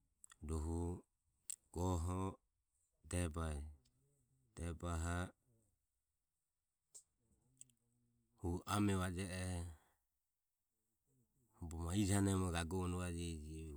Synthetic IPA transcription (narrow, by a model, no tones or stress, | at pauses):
dɔɦu | ɡ̥ɔɦɔ | t̪ɛbaj | t̪ɛbaɦa | huʔamɛβad͡ʒɛʔɛ | hubɔmaid͡ʒanɛmɔɡaɡɔnuad͡ʒɛd͡ʒi